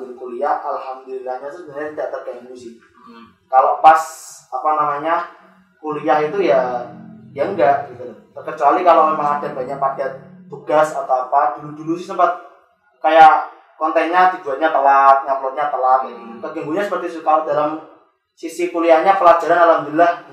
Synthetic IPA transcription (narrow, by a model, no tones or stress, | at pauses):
ilkuliahʔalhamd̪ulilahɲat̪usəbɾaɲat̪idaʔt̪ərɡaŋɡusɪh | kalopasapanamaɲa | kuliaɦit̪uja | aŋɡaʔɡit̪ulʊt̪ərkət͡ʃualikalomemaŋadanbaɲaʔpadat̪̚t̪uɡ̥asat̪awapadududulusɪhsəmpat̪̚ | kajaʔ | kɔnt̪ɛnɲat̪id͡ʒuaɲat̪əlat̪̚ɲaplɔt̪̚ɲat̪əlat̪̚t̪ərɡaŋɡuɲasəpərt̪iskalodalam | sisipuliahɲapəlad͡ʒaɾanalhamd̪ulilah